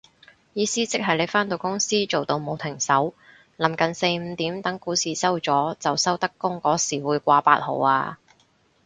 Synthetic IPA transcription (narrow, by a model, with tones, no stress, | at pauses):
jiː˨˧siː˥t͡sɪ˥k̚ɦɐ˨˩jle˨˧jfaː˥nt̪o˨˧wkʊ˥ŋsiː˥t͡so˨wt̪o˧wmo˨wt̪ʰɪ˨˩ŋsɐ˨˥w | lɐ˨˩mkɐ˨˩nse˧jm̩ː˨˧t̪iː˨˥mt̪ɐ˨˥ŋkuː˨˥siː˨sɐ˥wt͡sɔː˨˥t͡sɐ˨wsɐ˥wt̪ɐ˥kːʊ˥ŋkɔː˨˥siː˨˩wuː˨˧jkʷaː˧pa̰ː˧˥t̚ho̰˨˩waː˧